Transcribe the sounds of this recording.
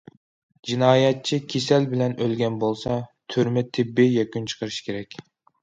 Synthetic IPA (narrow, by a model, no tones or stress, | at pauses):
d͡ʒinɑːjɛt̪̚t͡ʃʰikʲʰesɛlbɪlɛnølɡʲɛnbolˠsɑt̪ʰyɾmɪt̪ʰɪbːɪjɛkʲynt͡ʃʰə̥qʰəɾɨʃkʲʰeɾɛkʲ